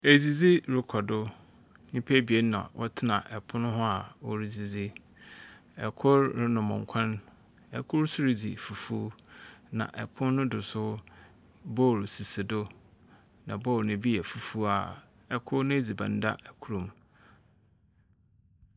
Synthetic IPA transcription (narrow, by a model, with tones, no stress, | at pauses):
e˨d͡zi˨d͡zi˦ɾʊ˨kʰɔ˨dʊ˦ | ɲĩ˦pʰe˦bi˨e˦n˦nã̰˨wʔɔ̰˦tʰɪ˦nã˨ʔɛ˨pʰʊ̃˦nʊ̃˦ɦʊ˦a˨wɔ˦ɾi˦d͡zi˨d͡zi˦ | ɛ˨kʰʊ˦ɾɾɪ˦nʊ̃˨mʊ̃˨ŋ˨kʷʰã˦n | ɛ˨kʰʊ˦ɾsʊ˦ɾi˦d͡zḭ˨fu˨fu˦nã̰˨ʔɛ̰˨pʰʊ̃˦nːʊ̃˦dʊ˨sʊ˦ | bɔ˦˨ɾsi˨se˨do˦ | nã̰˨bɔ˦˨ɾnɪ̃˨bi˦ɛ˨fu˦fu˦a˨ | ɛ˨kʰʊ˦ɾnʊ̃˦˨d͡zi˨bã̰˨n˦da̰˦ʔɛ˨kʰu˦ɾũ˨m